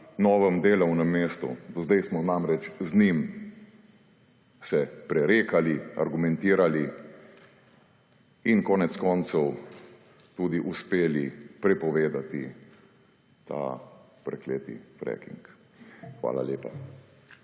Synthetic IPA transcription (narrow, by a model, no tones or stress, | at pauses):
nɔːʋəmd̪eːlɐwnɛmːeːst̪ṵd̪ɔzd̪ɛjsmɔnamɾɛt͡ʃznim | sɛpɾɛɾeːkalia̰ɾɡumɛnt̪iːɾali | inkɔːnɛt̪skɔːnt̪sɛw | t̪uːd̪iʔuspeːlipɾɛpɔʋeːd̪at̪ḭ | t̪a̰ | pɾɛ̰kleːt̪ḭfɾɛ̰kḭŋk | xʋa̰ːla̰leːpa